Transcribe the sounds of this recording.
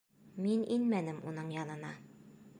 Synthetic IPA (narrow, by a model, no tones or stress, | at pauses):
mininmænɘmunɤɴjɑnɤ̆nɑ